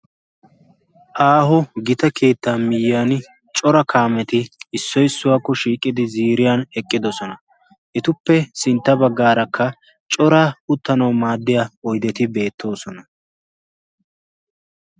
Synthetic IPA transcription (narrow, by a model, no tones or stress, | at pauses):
ʔaːɦɔɡɪt̪ɐkʰe̞ːt̪ːaːnmɪjɪjaːn | t͡ʃʼɔɾɐkʰaːmɛt̪ɪːsːɔjɪsːʊwaːkːɔʃiːkʼːɪd̪ɪziːɾɪjanɛkʼːɪd̪ɔsɔnɐ | ʔɪt̪ʊpːɛsɪnt̪ːɐbɐɡːaːɾɐkʰːɐ | t͡ʃʼɔɾaʊt̪ːɐnɐwmaːd̪ːɪjaɔjd̪ɛt̪ɪbe̞ːt̪ʰːo̞ːsɔnɐ